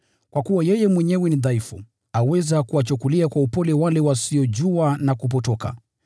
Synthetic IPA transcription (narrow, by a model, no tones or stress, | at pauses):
kwakuwajɛjɛmwɛɲɛwɛniðaifṵ | awɛzakuwat͡ʃukuliakwaupɔlɛwalɛwasiɔʄuanakup̬ɔtɔka̰